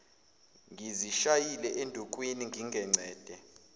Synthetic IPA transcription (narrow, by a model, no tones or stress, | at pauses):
ŋɡʱiziʃajilɛʔendʱuk̬ʼwiniŋɡʱiŋɡʱɛŋ͡ǀɛːd̥ʱɛ